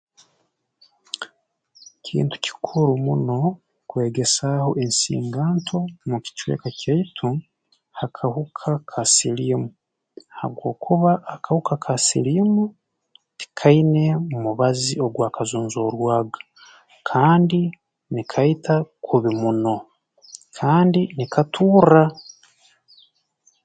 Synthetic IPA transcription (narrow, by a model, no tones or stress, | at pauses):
cʰḭːntu̥ci̥kʰuɾumuno̞ | kwe̞ːɡe̞saho̞ʔensḭːŋɡaːntʰo̞muci̥t͡ʃwḛːkacaitʰu | hakʰahukʰakʰasilimu | haβɡo̞ːkʰuβaʔːkahukakʰasḭlimu | ti̥kʰaine̞mumuβazio̞ɡwaːkazuːnzoːɾwaːɡḁ | kʰaːndi | nikʰaitʰakʰuβimuno̞ | kʰaːndinikʰatʰuːra